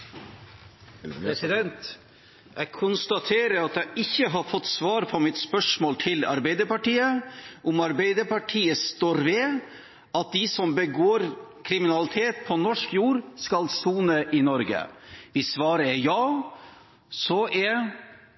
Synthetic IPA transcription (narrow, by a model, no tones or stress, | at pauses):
ɾɛsɪd̪ɛnt̪ | jækʰʊnst̪ɑt̪ʰeːɾəɾɑt̪jæʔɪçːəɦɑɾfɔt̪ːsʋɑːɾpʰɔmɪt̪spœʂmoːlt̪ʰɪlɑ̰ɾbæɪd̪əɾpɑʈiːəʔʊmɑɾbæɪd̪əɾpɑʈʰiːəst̪oːɾʋɛ | ʔɑt̪̚d̪ɪsɔmbəɡoːɾkʰɾɪmɪnɑlɪt̪ʰeːt̪pʰɔnɔʂkjuːɾskɑlsuːnəʔɪnɔɾɡə̰ʋɪsʋɑːɾəɛjɑː | sɔʔɛ